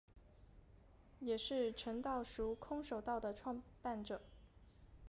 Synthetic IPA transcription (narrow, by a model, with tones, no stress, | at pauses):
jɛ˨˩ʂɻ̩˥˩ʈ͡ʂʰə˧˥ŋt̪ɑ˥˩ʊʂu˧˥kʰʊ˥ŋʂo˨˩ʊt̪ɑ˥˩ʊd̪ə˩ʈ͡ʂʰwɑ˥˧ŋpa˥˩nʈ͡ʂɤ˨˩˦